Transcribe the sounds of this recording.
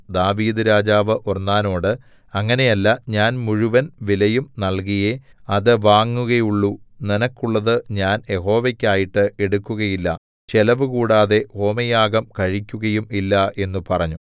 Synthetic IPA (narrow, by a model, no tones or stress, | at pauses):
d̪aːʋiːd̪ɨɾaːd͡ʑaːʋɨʔurnːaːno̞ːɽɨ | ɐŋːɐne̞jɐlːɐɲaːnmuɻuʋɐnʋilɐjumnɐɭk̬ijeɐðɨʋaːŋːuɣɐjuɭːuninɐkːuɭːɐðɨɲaːnje̞ɦo̞ːʋɐkʲːaːjiʈːɨʔe̞ɽukːuɣɐjilːɐ | t͡ɕelɐʋɨkuːɽaːðe̞ho̞ːmɐjaːɡɐmkɐɻikʲːuɣɐjumilːɐʔe̞nːupɐrɐɲːu